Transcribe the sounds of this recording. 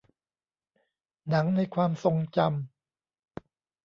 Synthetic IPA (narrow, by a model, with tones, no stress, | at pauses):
na˩˦ŋna˧jkʰwaː˧mso˧ŋt͡ɕa˧m